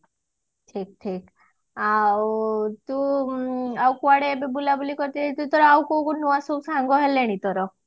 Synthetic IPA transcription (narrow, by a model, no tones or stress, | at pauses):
ʈʰik̚ʈʰik | a | t̪u | awkuaɽeːbebulabulikɔɾt̪iit̪ut̪ɔɾɔawkokunuasowsãŋɡɔɦeleɽ̃it̪ɔɾɔ